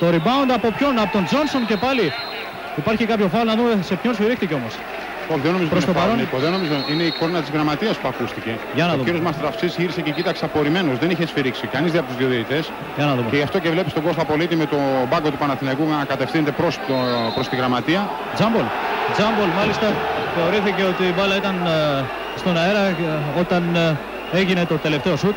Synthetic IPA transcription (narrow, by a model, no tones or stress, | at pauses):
t̪o̞ɾibɐond̪eɐpo̞pço̞nɐpot̪o̞nd͡zo̞nso̞nce̞pɐli | ipɐɾçikɐpço̞fɐlonɐðumeese̞pçonsfiɾixt̪iceomo̞s | oçðenoizoɾosɐɾonkoðenomizoine̞ikoɾnɐt̪izɣɾɐmat̪iɐspuɐkust̪ice̞ | ʝɐnɐoðuiɾijo̞zmɐst̪ɾɐfsisʝiɾise̞cecit̪ɐkseɐpo̞ɾime̞nozðeniçesfiɾiksikɐnizðiɐpot̪uzðioðiit̪e̞s | ʝɐnɐðumceʝɐft̪o̞cevle̞pist̪o̞ɡosɐpo̞lit̪ime̞t̪o̞bɐɡo̞t̪upɐnɐθinɐikuɐkɐt̪e̞fθinet̪epɾost̪opɾo̞st̪iɣɾɐmɐt̪iɐ | d͡zɐmbold͡zɐmbolmɐlist̪ɐθe̞o̞ɾiθice̞o̞t̪imɐlɐit̪ɐn | st̪o̞nɐeɾɐo̞t̪ɐn | e̞ʝine̞t̪ot̪e̞le̞ft̪e̞osut̪